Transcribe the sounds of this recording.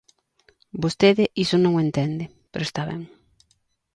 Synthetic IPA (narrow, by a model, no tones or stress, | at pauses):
bost̪eðɪʔisʊnõŋent̪end̪ɪ | peɾoest̪aβɛ̰ŋ